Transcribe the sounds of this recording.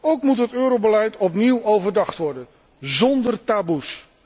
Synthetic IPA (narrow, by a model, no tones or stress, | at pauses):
owkmutɦətøːɾowbəlɛjtɔp̬niwowvəɹdɑχtʋɔɹdən | zɔndərtaːbus